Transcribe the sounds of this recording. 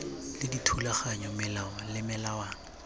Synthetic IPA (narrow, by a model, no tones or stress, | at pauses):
lɪditʰulaχaɲɔmɪlaɔlɪmɪlawa